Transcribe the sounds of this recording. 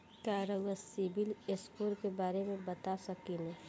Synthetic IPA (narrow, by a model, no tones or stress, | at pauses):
kaːɾoɡəsibɪleskoːɾkebaːɾemẽbɐt̪asɐkinẽ